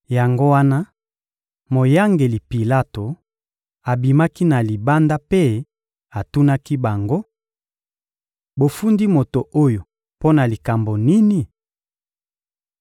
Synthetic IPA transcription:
ja˨ŋɡo˦wa˦na˦ | mo˨ja˦ŋɡe˨li˨pi˨la˦to˨ | a˨bi˨ma˦ki˦na˨li˨ba˦nda˦pe˦ | a˨tu˦na˦ki˦ba˨ŋɡo˦ | bo˨fu˦ndi˦mo˨to˨ʔo˦jo˨ | po˦na˨li˨ka˨mbo˨ni˦ni˨

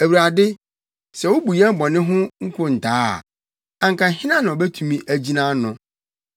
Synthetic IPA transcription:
æ˨wu˨ɾa˨dɪ˦ | sɛ˨wo˦bu˨jɛ˦m̩˦bɔ˨nɪ̃˦ɦʊ̃˦ŋ̩˦kʰʊ̃˦n̩˨tʰaː˦˨ | ã˨ŋ˨kʰã˨ɦɪ̃˦nã˦nã˨ɔ˨bɛ˦tʰũ˨mĩ˦ʔæ˨d͡ʑi˦nã˦nʊ̃˨

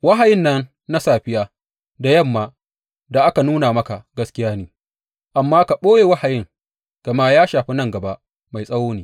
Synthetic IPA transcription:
wɐ˦ɦa˨jɪ˦nːɐ˦nː | a˦saː˨ɸɪ˦jaː˦˨ | da˨jɐ˦˨mːa˦ | da˨ʔa˦ka˨nuː˦naː˨mɐ˦ka˨ɡɐ˦skʲɪ˦jaː˦niː˦ | ʔa˨mːaː˦ka˨ɓoː˦je˨wa˦ha˨jɪ˦ŋ | ɡ̥ɐ˨ma˦jaː˦ʃaː˨ɸi˦nɐ˦ŋɡɐ˨ba˦ʔ | ma˨jsʼɐ˦woː˦neː˦

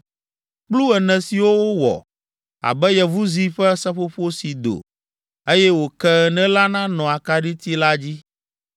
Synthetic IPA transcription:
k͡plu˦ɛ˨nɛ̃˨si˨wo˦wo˦wɔ̰˨ | a̰˨bɛ˦jɛ˨vu˦zi˦ɸɛ˦sɛ˦ɸo˦ɸo˦si˨d̪o̰˨ | e˦jɛ˦wo˨kɛ˦˨nɛ̃˦la˦nã˦nɔ̃˨a˨ka˦ɖi˦t̪i˦la˦d͡ʑi˦

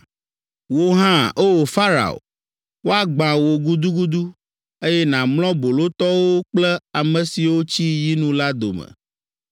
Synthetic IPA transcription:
wo˨ɦã˦ʔo˦o˨fa˦ɾa̰˨o̰˨ | wo˦a˦ɡ͡bã˨wo˨ɡu˦d̪u˦ɡu˦d̪u˦ | e˦jɛ˦nã˨mlɔ̃˦bo˨lo˦t̪ɔ˦wo˦k͡plɛ˦a˨mɛ̃˨si˨wo˦t͡ɕi˦ji˦nũ˦la˦d̪o̰˨mɛ̰̃˨

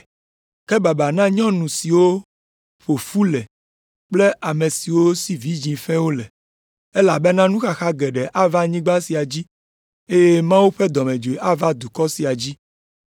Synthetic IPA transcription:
ke˦ba˨ba˨nã˦ɲɔ̃˦nũ˨si˨wo˦ | ɸo˨fu˦lɛ˨ | k͡ple˦ʔa˨mẽ˨si˨wo˦si˨vi˨˦d͡ʑĩ˨ɸɛ̃˦wo˦lɛ˨ | e˦la˨be˦nã˦nũ˦xa˨xa˦ɡɛ˨ɖɛ˨ʔa˦va˦ɲĩ˦ɡ͡ba˦si˨a˨d͡ʑi˦ | e˦je˦mã˦wu˦ɸe˦d̪ɔ˨mẽ˨d͡ʒo˨e˨ʔa˦va˦d̪u˨kɔ˦si˨a˨d͡ʑi˦

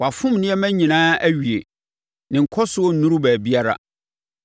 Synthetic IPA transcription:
wa˨fʊ̃˦mnɪ̃˦ɛ˦mæ̃˦ɲĩ˨nãː˦æ˦ɥi˨ḛ˨ | nɪ̃˨ŋ̩˨kʰɔ˦sʊ˦ɔ˦n̩˨nũ˦ɾu˦bæː˨bi˦a˦ɾa̰˦

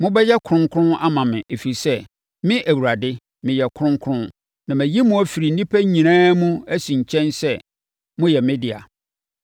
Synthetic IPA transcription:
mʊ̃˦bɛ˦jɛ˦kʰʊ̃˦ŋkʰʊ̃˦a˦mã˨mɪ̰̃˨ʔe˨fi˨i˨sɛ˦ | mɪ̃˦ʔæ˨wu˨ɾa˨dɪ˦ | mɪ̃˨jɛ˨kʰʊ˦ʊ̃˦ŋkʰɾʊ̃˦n | nã˨mæ̃˨ji˦mũ˨˦æ˨fi˨ɾi˨n̩˦nĩ˦pʰæ˦ɲĩ˨nãː˦mũ˦æ˦sĩ˨ɲ̩˨t͡ɕʰɛ̃˦nsɛ˦ | mʊ̃˦jɛ˨mɪ̃˦dɪ˨a̰˨

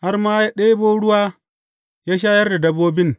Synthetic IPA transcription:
ha˦rmaː˦ja˦ɗe˦boː˦ɽʊ˦waː˦ | jaː˦ʃ̬aː˦jɐ˦rda˨dɐ˦boː˦bɪ˦n

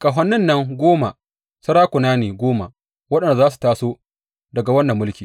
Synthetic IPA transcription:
kʼa˨ɦɐ˨nːɪ˦nːɐ˦ŋɡʷoː˦ma̰˨ | sɐ˦ɽaː˦kʷʊ˨naː˦neː˨ɡʷoː˦ma˨ | wɐ˦ɗɐ˨nda˨zaː˦s̬u̥˨taː˦soː˦ | dɐ˨ɡa˨wɐ˦nːɐ˨mːʊ˦lkʲiː˨

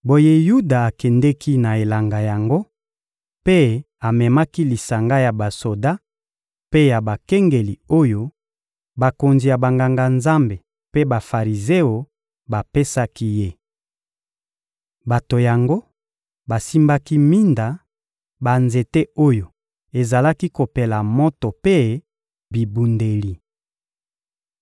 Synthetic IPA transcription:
bo˨je˦ju˦da˨a˨kɛ˨ndɛ˦kʰi˦na˨e˨la˨ŋɡa˨ja˨ŋɡo˦ | pe˦ | a˨mɛ˨ma˦ki˦li˨sa˨ŋɡa˦ja˨ba˨so˨da˦ | pe˦ja˨ba˨kɛ˦ŋɡe˨li˨o˦jo˦ | ba˨ko˨nzi˨ja˨ba˨ŋɡa˨ŋɡa˨nza˦mbe˨ | pe˦ba˨fa˨ʁi˨ze˦o˨ | ba˨pe˦sa˦ki˦je˦ | ba˨to˨ja˨ŋɡo˦ | ba˨si˦mba˦ki˦mi˦nda˨ | ba˨nze˨te˦o˦jo˨ | e˨za˨la˦ki˦ko˨pe˨la˨mo˦to˨pe˦ | bi˨bu˨nde˨li˨

